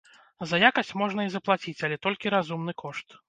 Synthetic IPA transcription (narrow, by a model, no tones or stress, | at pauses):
zɐjakɐsʲt͡sʲmɔʐnɐizɐplˠat͡sʲit͡sʲɐlʲɛt̪ɔlʲkʲiɾazumnɨkɔʂt̪